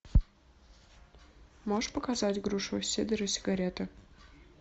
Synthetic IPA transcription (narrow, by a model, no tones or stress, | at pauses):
moʐpəkazatʲɡɾuʂusʲed̪əɾəsʲɪ̥ɡɐɾʲet̪ə